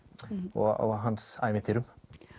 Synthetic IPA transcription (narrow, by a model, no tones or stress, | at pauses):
ɔ̰ɣɔ̰ɣɦansa̰ːjmɪnt̪ʰɪɾʏm